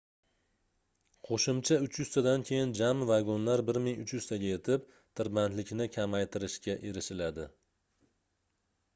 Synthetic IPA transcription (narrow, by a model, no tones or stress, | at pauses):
qʰoʃɪmt͡ʃʰaʊt͡ʃjʊz̥t̪ʰad̪ankʲʰe̞jɪnd͡ʒamvaɡonlaɾbɪɾmɪŋʊt͡ʃjʉz̥t̪ʰaɡʲaje̞t̪ʰɪp̚ | t̪ʰɪɾbant̪lɪkʲnɪkʲʰamajt̪ʰɪɾɪʃkʲaʔe̞ɾɪʃɪlad̪ɪ